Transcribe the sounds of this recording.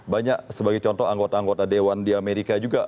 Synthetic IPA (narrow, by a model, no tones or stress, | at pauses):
baɲaksəbaɡajt͡ʃɔnt̪ɔaŋɡot̪aːŋɡot̪adewandiameɾikad͡ʒuɡa